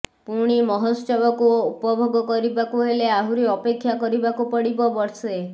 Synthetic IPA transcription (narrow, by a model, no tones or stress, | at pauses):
puɽ̃imɔɦɔst͡ʃɔbɔkuupɔbʱɔɡɔkɔɾibakuɦeleaɦuɾiɔpekʰːjakɔɾibakupɔɽibɔbɔɾse